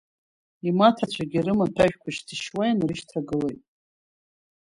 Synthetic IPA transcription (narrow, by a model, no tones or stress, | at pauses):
imatʰat͡ɕʷʰaɡʲiɾɨmatʰaʒᶣkʷʰaʃtʰɨʃwajanriʃtʰaɡɨlejtʼ